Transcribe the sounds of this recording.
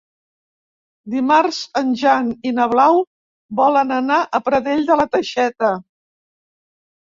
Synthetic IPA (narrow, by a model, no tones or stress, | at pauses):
d̪imarzənʲʒaninəβlaw | bɔlənənaʔəpɾəðeʎd̪ələt̪əʃɛt̪ə